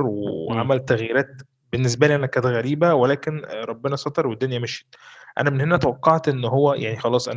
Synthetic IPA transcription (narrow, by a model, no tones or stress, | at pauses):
ɾwḛʕa̰mælt̪æɣjeɾæːt̪̚ | benːes̬bæliʔænækæːnt̪ɣæɾiːbæwelæːkenɾˤɑbːenɑsˤɑt̪eɾwed̪ːonjæmeʃe̥t̪̚ʔæ̰næmenhenæt̪æwɑqːɑʕt̪ʔenːɦowːæjʔa̰ʕnixɑlɑːsˤʔæ̰